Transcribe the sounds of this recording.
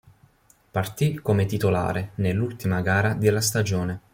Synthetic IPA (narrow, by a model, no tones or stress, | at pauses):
part̪ikomet̪it̪ola̰ːɾenelːult̪imaɡaːɾad̪elːast̪ad͡ʒoːne